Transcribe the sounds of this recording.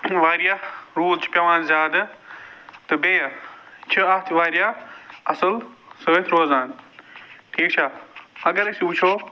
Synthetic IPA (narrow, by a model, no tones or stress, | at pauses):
ʋaːɾijaɾuːzt͡ʃʰpʲɐʋaːnzʲaːd̪ɨ | t̪ɨbeːɐt͡ʃʰuɐːt̪ʰiʋaːɾjaːɐsɨlsoːet̪ʰɾoːzaːn | ʈʰiːk̚t͡ʃʰaɐɡɐɾɐsiut͡ʃʰoː